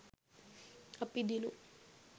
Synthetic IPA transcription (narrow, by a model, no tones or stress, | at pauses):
apid̪ilu